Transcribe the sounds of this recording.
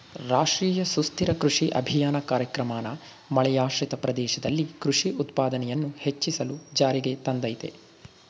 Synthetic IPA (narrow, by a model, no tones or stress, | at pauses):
ɾaːʂɾiːjɐsust̪iɾɐkɾuʂiʔɐ̰bʱijaːnɐkaːɾjɐkɾɐmaːnɐ | mɐɭɛjaːʂɾit̪ɐpɾɐd̪ɛːʃɐd̪ɐlːikɾuʂiʔut̪paːd̪ɐnɛjɐnːuhet͡ʃːisɐlud͡ʒaːɾiɡe̞t̪ɐnd̪ɐjt̪ḛ